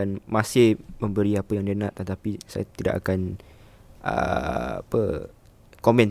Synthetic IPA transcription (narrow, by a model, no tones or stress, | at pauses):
anmãsɪhmə̃mbəɾiapəjaŋdiənãʔt̪ət̪apisa̰ja̰t̪ida̰ʔa̰kan | ʔə̰a̰pə | komɛ̃n